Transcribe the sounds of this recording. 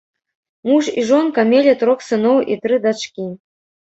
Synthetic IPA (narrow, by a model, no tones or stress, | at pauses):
muʂiʐonkamʲelʲet̪ɾoxsɨnowʔḭt̪ɾɨd̪at͡ʃkʲi